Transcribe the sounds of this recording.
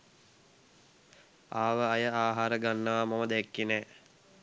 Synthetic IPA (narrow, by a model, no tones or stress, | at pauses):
aːʋəajəaːɦaːɾəɡanːəʋamɐməd̪ɛkːinɛː